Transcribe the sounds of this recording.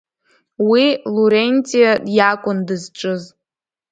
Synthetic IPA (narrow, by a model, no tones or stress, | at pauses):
wiluɾenʲt͡sʼijadjakʷʼʊndɨzʈ͡ʂʼɨz